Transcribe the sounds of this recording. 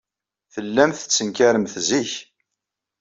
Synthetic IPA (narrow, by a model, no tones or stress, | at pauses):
θəlːæmθə̥t͡sːəŋkæɾəmθziç